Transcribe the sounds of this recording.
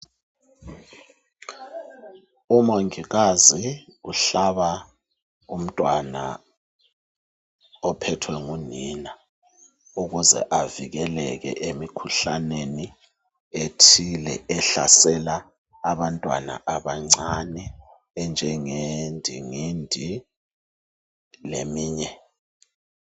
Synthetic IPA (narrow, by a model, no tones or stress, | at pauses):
umoŋiɣaziuɬaβa | um̩tʼwana̰ | ɔpʰɛtʰwɛŋunina | uɣuzɛ̰ʔaviɣɛlɛɣɛ̰ʔemikʰuɬaneni | etʰilɛ̰ɛɬa̰sɛlaː | βantʼwa̰na̰ʔaβaŋ͡ǀanɛː | nd͡ʒʱɛŋendʱiŋindʱi | lemiːɲɛ